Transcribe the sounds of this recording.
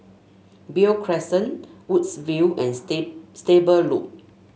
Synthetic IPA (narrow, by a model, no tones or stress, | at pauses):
biokʰɹɛsə̃nwutsviwɛ̃nstebəluk̚